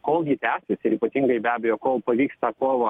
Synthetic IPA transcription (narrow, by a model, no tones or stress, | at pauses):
koːlˠɡʲit̪ʲæːsʲɪsɪɾiːpɐt̪ʲiŋɡɐɪbʲæːbʲɛjoːkoːlˠpɐʋʲiːkst̪ɑkoːʋɐ